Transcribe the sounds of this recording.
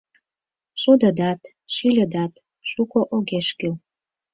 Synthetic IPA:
ʃud̪ə̆d̪ɑt̪ | ʃilʲə̆d̪ɑt̪ | ʃukoʔoɣeʃkøl

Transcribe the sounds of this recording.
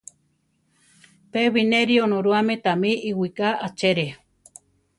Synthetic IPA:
peβineɾionõɾuamẽt̪amĩʔiwikaat͡ʃeɾe

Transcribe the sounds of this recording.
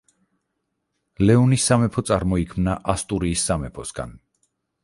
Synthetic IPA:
lɛɔnisːamɛpʰɔt̪sʼaɾmɔikʰmnaʔast̪ʼuɾiːsːamɛpʰɔsɡa̰n

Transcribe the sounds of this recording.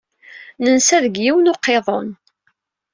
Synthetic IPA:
nənsæðəɡjiwənoqːeðˤon

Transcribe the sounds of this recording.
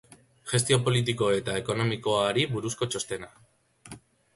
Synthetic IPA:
ʝe̞st̪io̞po̞lit̪̬iko̞e̞t̪ae̞ko̞no̞miko̞aɾiβuɾusko̞t͡ʃo̞st̪e̞na

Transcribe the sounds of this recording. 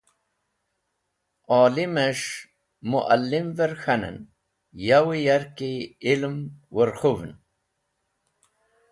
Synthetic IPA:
aːlimeʂ | muʔalːimveɾxɐnə̰n | jawijaɾkiːlmwəɾxuvn

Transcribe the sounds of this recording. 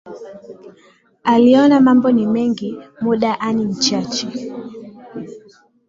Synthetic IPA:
aliɔnamambɔnimɛŋɡimuɗaʔanim̩t͡ʃat͡ʃɛ

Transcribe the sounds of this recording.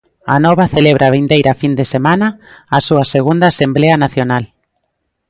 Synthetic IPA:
a̰nɔβaθeleβ̞ɾʔaβ̞ind̪ejɾafind̪esemãnɐːsuɐseɣ̞und̪asembleɐnaθjonal

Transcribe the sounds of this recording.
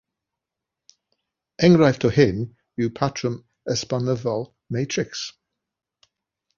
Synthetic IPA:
ɛ̃ŋɡɹajftʰəhɪm | jupʰatʰɹəm | ɛspanəvɔlˠ | meɪtʰɹɪks

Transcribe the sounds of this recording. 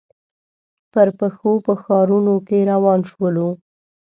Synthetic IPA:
pəɾpəxopəxɑɾunokeɾawɑnʃwəlu

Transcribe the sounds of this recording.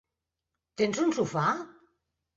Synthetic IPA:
t̪enzunsufa

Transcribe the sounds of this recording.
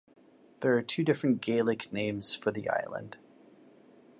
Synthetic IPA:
ðə˞ːtʰʉdɪfɹɨ̃nɡ̥eɪlˠɪknẽɪ̃mz̥fə˞ðḭʔa̰ɪlˠə̰̃nd̥

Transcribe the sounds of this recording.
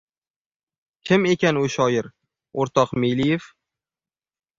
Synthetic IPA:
kʲʰɪme̞kʲanʊʃɒjɪɾ | oɾt̪ʰɒqmejlijef

